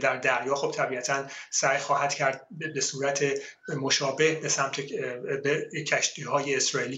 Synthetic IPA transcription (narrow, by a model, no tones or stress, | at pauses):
d̪æɾd̪æɾjɒːxo̞b̥̚t̪ʰæbiæt̪ʰænsæjxɒːhæd̪̥cʰæɾd̪̚besuːɾæt̪ʰe̞ | mo̞ʃɒːbe̞hbe̞sæmt̪ʰebecʰæʃt̪iːɦɒːjeːsɾɒːiːliː